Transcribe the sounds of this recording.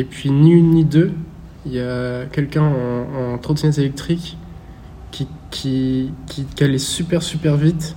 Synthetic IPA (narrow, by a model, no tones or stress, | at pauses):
epɥiniynːid̪ø | iljakʲɛlkʲɛ̃ɑ̃ːt̪χot̪inɛt̪elɛk̚t̪χikːʲ | ikʲʰikʰʲikalɛsypɛʁsypɛʁvit̪